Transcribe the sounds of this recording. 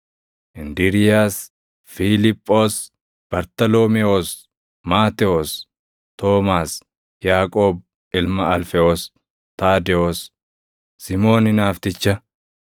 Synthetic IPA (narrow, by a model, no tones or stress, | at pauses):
ʔɪnd̪ɪɾɪjaːs | filɪpʼːoːs | b̥ɐɾt̪ɐloːmɛoːs | maːt̪ɛos | t̪oːmaːs | jaːkʼoːb̚ | ɪlmɐɐlfɛoːs | t̪aːd̪ɛoːsː | ɪmo̞ːnɪnaːft̪ɪt͡ʃːɐ